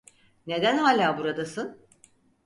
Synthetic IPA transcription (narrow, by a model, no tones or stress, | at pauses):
ne̞d̪ænɦaːlʲaːbuɾad̪asɯn